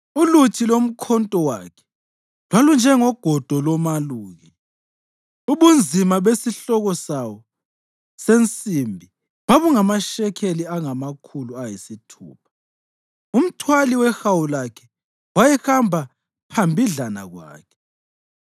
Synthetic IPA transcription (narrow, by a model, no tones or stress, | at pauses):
ulutʰilom̩kʰɔntʼɔwa̰kʰɛ̥ | lwalund͡ʒʱɛŋɔɡ̥ʱɔd̥ʱɔlɔmaluːɣɛ | uβund͡zʱimaβesiɬɔɣɔsawɔ | sent͡sʼimbʱi | βaβuŋamaʃɛkʰeliaŋamakʰuluajisitʰṵːpʰḁ | um̩tʰwaliwɛxawulakʰɛ | wajɛxambʱa | pʰambʱiɮana̰ɣwa̰ːkʰɛ̥